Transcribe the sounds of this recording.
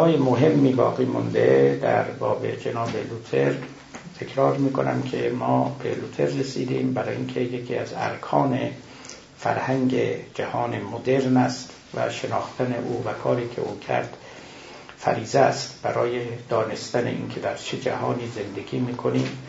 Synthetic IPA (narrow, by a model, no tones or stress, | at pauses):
ɒːjemoɦe̞mːiːbɒ̰ːɣiːmond̪ed̪æ̰ɾbɒːbe̞̰d͡ʒenɒːbelut̪ʰeɾ | t̪ʰe̞kʰɾɒːɾmiːkʰo̞næ̰mkʰemɒːbe̞̰lut̪ʰe̞ɾːesiːd̪iːmbæɾɒːinkʰe̞jekʰiːæzæ̰ɾkʰɒːne̞̰ | fæ̰ɾhæŋɟed͡ʒæhɒːnemod̪e̞ɾnæst̪ | væ̰ʃenɒːxt̪ʰæne̞ʔuːvækʰɒːɾiːkʰe̞̰ʔuːkʰæ̰ɾd̪̥ | fæ̰ɾiːzæst̪b̥æɾɒːjed̪̥ɒːne̞st̪æne̞̰ʔḭnkʰe̞d̪æɾt͡ʃʰed͡ʒæ̰hɒːniːze̞nd̪eɡʲiːmiːkʰo̞niːm